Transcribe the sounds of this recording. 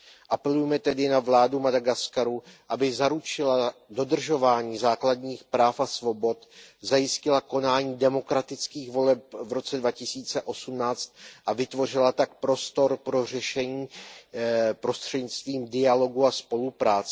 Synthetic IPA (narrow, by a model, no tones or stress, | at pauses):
ʔapɛlujɛmɛt̪ɛdɪnavlaːdumadaɡaskaɾuʔabɪzaɾut͡ʃɪlado̞dr̩ʒo̞vaːɲiːzaːkladɲiːxpɾaːfasvo̞bo̞t̪zajɪscɪlako̞naːɲiːdɛmo̞kɾat̪ɪt͡skiːɣvo̞lɛp̚vɾo̞t͡sɛdvacɪsiːt͡sɛʔo̞sumnaːt͡st̪̚ʔavɪt̪vo̞r̝ɪlat̪ak̚pɾo̞st̪o̞ɾpɾo̞r̝ɛʃɛɲiː | pɾo̞st̪r̝̥ɛdɲɪt͡st̪viːmdɪalo̞ɡuaspo̞lupɾaːt͡sɛ